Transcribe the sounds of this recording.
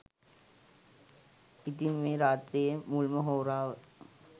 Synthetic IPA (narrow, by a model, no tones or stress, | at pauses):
id̪inmeːɾaːt̪ɾiːjəmulməɦoːɾaːʋə